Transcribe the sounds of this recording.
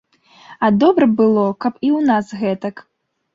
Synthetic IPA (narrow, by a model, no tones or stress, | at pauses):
ɐd̪ɔbɾɐbɨlˠɔkɐpiwnasɣɛt̪ɐk